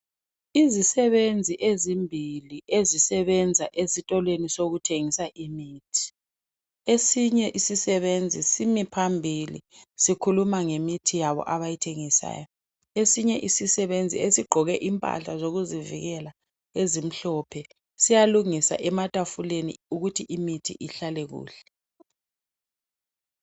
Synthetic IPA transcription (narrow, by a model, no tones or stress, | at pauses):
izisɛβend͡zʱiʔezimbʱiliʔezisɛβɛnd͡zʱaʔesitʼɔlwenisoɣutʰeŋisaʔimiːtʰi̥ | esiɲɛʔisisɛβend͡zʱisimipʰambʱilḭsikʰulumaŋemitʰijaβɔ̰ʔaβajitʰeŋisa̰ːjɔ | esiɲɛʔisisɛβend͡zʱḭesiɡ͡ǃʱɔɣɛʔimpʼa̰ɬazoɣuzivḭɣɛla | ezim̩ɬɔpʰɛ | sijaluŋisa̰ʔɛmatʼafulenḭuɣutʰiʔimitʰḭʔiɬalɛɣṵːɬɛ